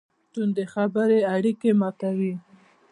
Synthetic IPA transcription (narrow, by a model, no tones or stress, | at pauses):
t̪und̪exabəɾeaɽikemɑt̪awi